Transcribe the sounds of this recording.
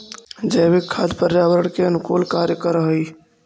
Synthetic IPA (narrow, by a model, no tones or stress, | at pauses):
d͡ʒəjbekʰad̪pəɾjabəɾəɽkeənʊkolkaɾjəkəɾəɦəj